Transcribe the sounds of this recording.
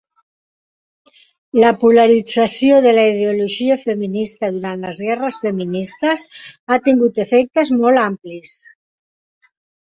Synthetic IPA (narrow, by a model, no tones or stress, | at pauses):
ləpuləɾid͡zəsioðələiðeuluʒiəfəminist̪əðuɾant̪ləzɣɛrəsfəminist̪əsat̪iŋɡut̪əfɛk̚t̪əzmɔlamplis